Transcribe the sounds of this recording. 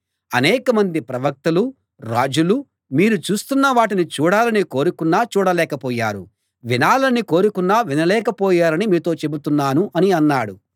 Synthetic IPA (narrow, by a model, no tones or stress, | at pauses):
ɐnɛːkɐmɐnd̪ipɾɐʋɐk̚t̪ɐlu | ɾa̰ːd͡ʒulu | miːɾut͡ʃuːst̪unːɐʋaːʈ̬init͡ʃuːɽaːlɐnikoːɾukunːaːt͡ʃuːɽɐlɛːkɐpɔːjaːɾṵ | ʋinaːlɐnikoːɾukunːaːʋinɐlɛːkɐpɔːjaːɾɐnimiːt̪o̞ːt͡ʃe̞but̪unːaːnuʔɐniɐnːaːɽu